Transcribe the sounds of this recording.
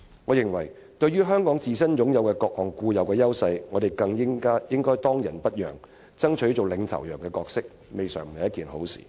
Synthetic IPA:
ŋɔː˨˧jɪ˨ŋwɐ˨˩j | t̪ɵ˧ɥyː˥ɦœː˥ŋkɔː˨˥ŋt͡siː˨˩sɐ˥njʊ˨˥ŋjɐ˨˧wkɛ˧kɔː˧k̚hɔː˨˩ŋkuː˧jɐ˨˧wkɛː˧jɐ˥wsɐ˧jŋɔː˨˧d̪e˨jkɐ˧ŋjɪ˥ŋkaː˥jɪ˥ŋkɔː˥jt̪ɔː˥ŋjɐ˨˩npɐ˥t̚jœ̰ː˨˩ŋ | t͡sɐ˥ŋt͡ʃʰɵ˨˥t͡so˨wlɪ˨˧ŋt̪ʰɐ̰˨˩wjœː˨˩ŋkɛː˧kɔː˧k̚sɪ˥k̚ | me˨jsœ̰ː˨˩ŋm̩˨ɐ˨jɐ˥t̚kiː˨˩nho˨˥wsḭː˨˩

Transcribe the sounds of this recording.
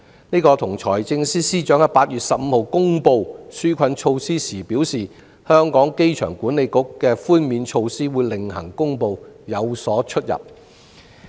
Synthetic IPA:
niː˥kɔː˧t̪ʰʊ˨˩ŋt͡ʃʰɔ̰ː˨˩jt͡sɪ˧ŋsiː˥siː˥t͡ʃœː˨˥ŋjɐ˥paː˧t̚jyː˨t̚sɐ˨p̚m̩ː˨˧ho˨wkʊ˥ŋpo˧wsyː˥kʷʰɐ˧nt͡ʃʰo˧wsiː˥siː˨˩pi˨˥wsiː˨ | hœː˥ŋkɔː˨˥ŋke˥jt͡ʃʰœ̰ː˨˩ŋkuː˨˥nːe˨˧jkʊ˨˥kːɛː˧fuː˥nmiː˨˧nt͡ʃʰo˧wsiː˥wuː˨˧jlɪ˨ŋhɐ˨˩ŋkʊ˥ŋpo˧wjɐ˨˧wsɔː˨˥t͡ʃʰɵ˥t̚jɐ̰˨p̚

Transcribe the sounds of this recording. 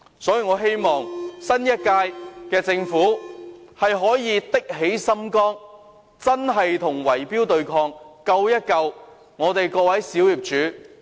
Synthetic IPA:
sɔː˨˥jiː˨˧ŋɔː˨˧ɦe˥jmɔː˨ŋsɐ˥njɐ˥t̚kaː˧jkɛː˧t͡sɪ˧ŋfuː˨˥hɐ˨jɦɔː˨˥jiː˨˧t̪ɪ˥k̚ɦe˨˥jsɐ˥mkɔː˥ŋ | t͡sɐ˥nɦɐ˨jt̪ʰʊ˨˩ŋwɐ˨˩jpiː˥wt̪ɵ˨ɥkʰɔː˧ŋkɐ˧wjɐ˥t̚kɐ˧w | ŋɔː˨˧t̪e˨jkɔː˧wɐ˨˥jsiː˨˥wjiː˨p̚t͡ʃyː˨˥

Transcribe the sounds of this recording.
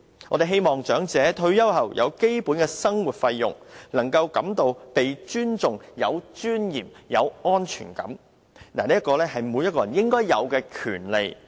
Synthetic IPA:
ʔɔː˧ɾe˨jɦe˥jmɔː˨˩ŋt͡ʃœː˨˥ŋt͡sɛː˨˧˥t̪ʰɵ˧ɥjɐ˥whɐ˨˩wjʔɐ̰˨˧wke˥jpuː˨˥nkɛː˧sɐ˥ŋwuː˨˩t̚fɐ˧jːʊ̰˨˩ŋnɐ˨˩ŋkɐ˧wkɐ˨˥mt̪o˨wpe˨jt͡ʃyː˥nt͡sʊ˨ŋjɐ˨˧wt͡ʃyː˥njiː˨˩mjɐ˨˧wɔː˥nt͡ʃʰy̰ː˨˩nkɐ̰˨˥m | naː˨˩niː˥ɐ˥tkɔː˧lɛː˥ɦɐ˨jmu˨˧jɐ˥t̚kɔː˧jɐ˨˩njɪ˥ŋkɔː˥jːɐ˨˧wkɛː˧kʰy̰ː˨˩nle˨j

